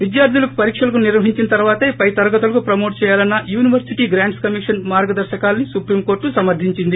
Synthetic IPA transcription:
ʋid̪jaːɾt̪ʰulɐku̥pɐɾiːkʂɐlɐk̬uniɾʋɐɦiɲt͡ʃinɐt̪ɐɾuʋaːt̪eːpɐjt̪ɐɾɐɡɐt̪ulɐkupɾɐmoːʈt͡ʃɛːjaːlɐnːɐjuːniʋɐɾsiʈiːɡɾaːɳɖskɐmiʂɐnmaːɾɡɐd̪ɐɾʃɐkaːlɐnisupɾiːmkoːɾʈːusɐmɐɾd̪ʱiɲt͡ʃind̪i

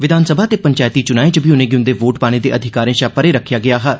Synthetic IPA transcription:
ʋɪd̪ʱaːnsəbʱaːt̪eːpəɲt͡ʃaːjt̪iːt͡ʃʊnaːẽd͡ʒəbʱiːʊnẽːɡɪʊ̃nd̪eːʋoːʈpaːɽ̃ẽːd̪eːʔəd̪ʱɪkaːɾẽːʃaːpəɾeːɾəkʰjaːɡɪaːɦɛː

